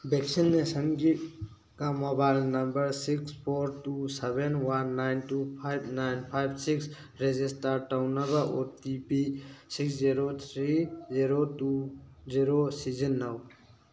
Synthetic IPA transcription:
bɛksinːesə̃ŋɡi | kamɔbajlnɐmbəɾsikspʰoɾʈusɛbenwanːajnʈupʰajbnajnpʰajbsiks | ɾed͡ʒisʈaɾʈawnːɐbaʔɔɾt̪ipisiksziɾot̪ʰɾiziɾotuziɾosizənːaw

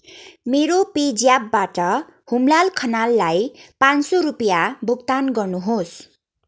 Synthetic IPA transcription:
meɾoped͡zjabːaʈʌ | humlalkʰʌnalːajpãnsoɾupjabuk̚t̪anɡʌrnuɦos

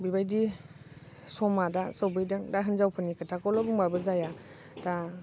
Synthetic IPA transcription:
bibajdi | sɔmadasɔwbɯjdɯŋdaɦɯnzawpʰɯnikʰatʰakɔlɔbuŋbabɯzaja | d̥a

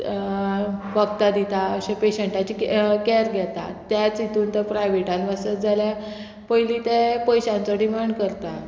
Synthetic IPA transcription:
ʋəkt̪ad̪it̪aəɕẽpeɕəɳʈat͡ɕikɛɾɡʱjɛt̪a̰t̪jat͡sit̪uːnt̪əɾpɾajʋeʈanʋasət̪d͡zalja | pəjliːt̪epəjɕãnt͡sɔɖimaɳɖkəɾt̪a

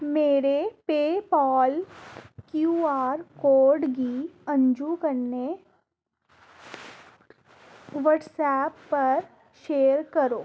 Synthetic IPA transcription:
meːɾepeːpɔːlkjuːaːɾkoːɾɖɡiɐ̃nd͡ʒukɐɾne | ʋəʈsɛːpːɐɾ | ʃeːəɾkɐɾoː

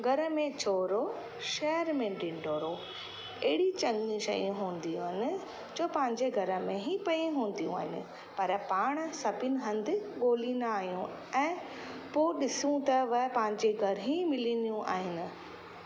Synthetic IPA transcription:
ɡʱɐɾəmẽt͡ɕʰoːɾo | ʃɛːəɾmẽɖɪ̃ɳɖoːɾo | ɛɦɪɽit͡ɕɐ̃ŋɡniʃɐ̰ijũɦũːn̆d̪ijũːɦɪnɪ̆ | d͡ʑoːpɐ̃ɦɪ̃ɲd͡ʑeɡʱɐɾə̆mẽɦipɐiɦũːn̆d̪ijũa̰ːɦɪnɪ̰̆ | pɐɾpaːɽ̃sɐpɪnɪ̆ɦɐ̃nd̪ɪ̆ɠoːliːnd̪aaːɦijũ | ɛ̃ː | poːɗɪsũt̪ɐʋɐpɐ̃ɦɪ̃ɲd͡ʑeɡʱɐɾɦĩmɪlinijũʔa̰ːɦɪnɪ̆

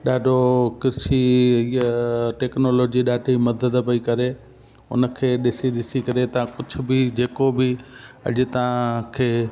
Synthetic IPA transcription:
ɗaːɖʱokɪɾsiɦiʈeːknoːloːd͡ʑiɗaːɖʱimɐd̪əd̪pɐikɐɾe | ʊ̰nəkʰeːɗɪsiɗɪsikɐɾet̪ɐãkʊd͡ʑʱʊ̆bɪd͡ʑeːkobɪɐ̰ʄʊt̪ɐʋãkʰeː

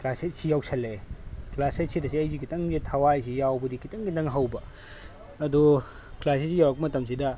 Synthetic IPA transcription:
klaset̚sijawsʰɐlːeklasɐj̚siɾɐsiɐjzikʰitɐŋzitʰawajs̬ijawbɐdikʰitɐŋɡitɐŋɦɐwbɐ | ɐdu | klasesijawɐk̚ɐmɐtɐms̬idɐ

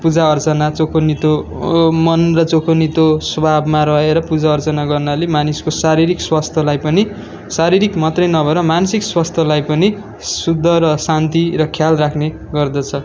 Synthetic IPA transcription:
pud͡zaʌrt͡sʌnat͡sokʰonit̪o | mʌnrʌt͡sokʰonit̪oswʌbʱabmaɾʌeɾʌpud͡zaʌrt͡sʌnaɡʌrnalemaniskosaɾiɾikswast̪ʰʌlajpʌni | saɾiɾikmʌt̪rʌjnʌbʱʌɾʌmansikswast̪ʰʌlajpʌni | sud̪ʱːʌɾʌsant̪iɾʌkʰjalrakʰne | ɡʌrd̪ʌt͡sʰʌ

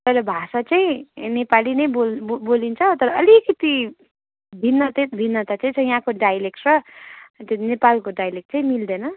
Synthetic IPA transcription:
pʌjlabʱasat͡saĩnepalinʌjbolbolint͡sʰʌt̪ʌɾʌʌlikʌt̪i | b̪ʱinːʌt̪eb̪ʱinːʌt̪at͡saĩt͡sʰʌj̃jɦãkoɖajlek̚ʈrʌt̪enepalkoɖajlek̚ʈ̚t͡saĩmild̪enʌ

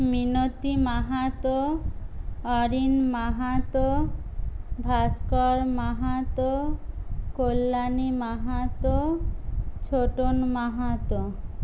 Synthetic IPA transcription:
minot̪imaɦat̪o | ɔɾinmaɦat̪o | bʱaskɔɾmaɦat̪o | kolːanimaɦat̪o | t͡ɕʰoʈonmaɦat̪o

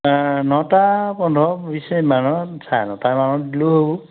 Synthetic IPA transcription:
nɔtapɔndʱɔbisejmanɔsanɔtamanɔdiluɦobɔ

